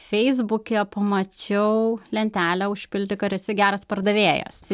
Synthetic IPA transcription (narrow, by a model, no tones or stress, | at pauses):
fʲɛɪzbʊkʲɛpɐmɐt͡ʃʲɛʊlʲɛnʲt̪ʲæːlʲæːʊʃʲpʲɪlʲd̪ʲɪkɐɾʲɪsʲɪɡʲæːɾɐspɐɾd̪ɐʋʲeːjɛ̰s